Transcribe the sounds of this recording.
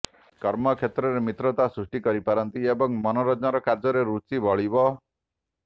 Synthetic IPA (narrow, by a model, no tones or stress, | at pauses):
kɔɾmʌkʰet̪ɾɔɾemit̪ɾɔt̪asɾusʈikʌɾipaɾʌnt̪iebɔŋmɔnɔɾɔd͡ʒnaɾɔkaɾd͡ʒʌɾeɾut͡ʃibʱɔɭibɔ